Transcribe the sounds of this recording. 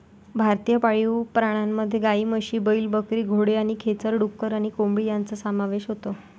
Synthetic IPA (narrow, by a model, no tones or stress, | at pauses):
bʱaɾt̪ijəpaɭiwpɾaɽ̃amːəd̪ʱːjeɡaiːməɕiːbəiːlbəkɾiːɡʱoɽeaɽ̃ikʰet͡səɾɖukːəɾaɽ̃ikombɭiːjant͡səsəmaʋeɕɦot̪o